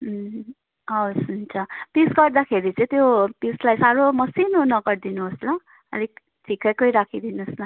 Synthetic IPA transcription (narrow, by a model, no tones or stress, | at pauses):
ʌsunt͡sʰʌpisɡʌrd̪akʰeɾit͡sʌ̃ĩt̪jopislajsaɾomʌsinonʌɡʌrd̪inuɦosla | ʌ̰lik | t̪ʰikʌjkʌjɾakʰid̪inusla